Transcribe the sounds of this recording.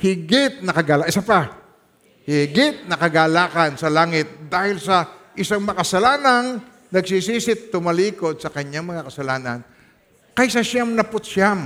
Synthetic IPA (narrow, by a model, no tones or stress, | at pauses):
hɪɡɪt̪̚nɐkɐɡaːlʔɪsapa | hɪɡɪt̪̚nɐkɐɡaːlaːkɐnsɐlaːŋɪt̪̚d̪aːhɪlsɐʔɪsaŋmɐɐkɐsɐlaːnaŋ | nɐɡsisiːsɪt̪ːʊmɐliːkod̪̚sɐkɐɲaŋmɐŋakɐsɐlaːnan | kɐjsɐʃamnɐpʊt̪ʃam